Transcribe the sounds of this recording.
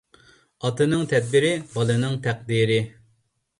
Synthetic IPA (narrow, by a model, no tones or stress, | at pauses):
ɑt̪ɨnɨŋt̪ʰɛd̪̚bɪɾɪbɑlˠɨnɨŋt̪ʰæq̚d̪iːɾɪ